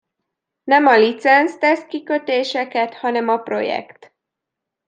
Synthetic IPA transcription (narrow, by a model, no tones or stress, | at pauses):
nɛmɒlit̪sɛnst̪ɛskikøt̪eːʃɛkɛt̪hɒnɛmɒpro̞̰jɛ̰kt̪